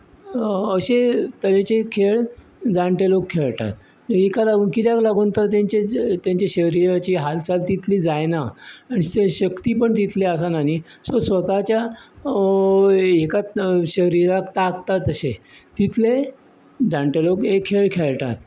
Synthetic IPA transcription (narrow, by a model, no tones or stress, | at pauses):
əɕet̪əɾet͡ɕekʰeɭ | d͡zaɳʈelokʰːeɭʈa̰t̪̚ | ekalaɡuːnkit̪jaklaɡuːnt̪əɾt̪jãɲt͡ɕet̪jãɲt͡ɕeɕəɾiɾat͡ɕiːɦalt͡salt̪it̪ʰliːd͡zajnaaniɕəkt̪iːpəɳt̪it̪ʰleas̬anaɦisosʋət̪at͡ɕja | ekaɕəɾiɾakt̪akt̪at̪əɕet̪it̪ʰle | d͡zãɳʈelokɦekʰːeɭkʰeɭʈ̪a̰t̪̚